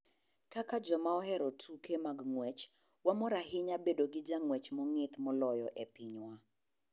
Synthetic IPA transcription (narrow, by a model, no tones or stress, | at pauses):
kakad͡ʒɔmaɔhɛɾɔtʰukemaɡŋwɛt͡ʃ | wamɔɾaɦɪɲabedoɡɪd͡ʒaŋwɛt͡ʃmɔŋɪt̪mɔlɔjɔʔepɪɲwa